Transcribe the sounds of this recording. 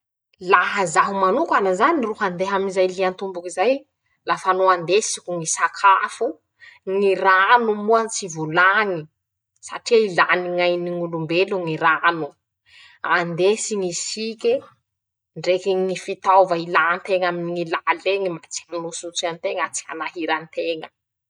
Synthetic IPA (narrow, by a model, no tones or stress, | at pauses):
laɦəzaɦumanukanazaniruɦand̪eɦaminizajliant̪umbukizaj | lafanoand̪esikʲuŋisakʰafu | ŋiɾanumuant͡sivulaŋi | saʈ͡ʂiilaniŋajniŋulumbeluŋiɾanu | and̪esiŋisikʲe | ɳɖ͡ʐekiŋifit̪awvəilant̪eŋaminiŋilaleŋimat͡saminosut͡sant̪eŋat͡si̥a̰naɦiɾant̪eŋə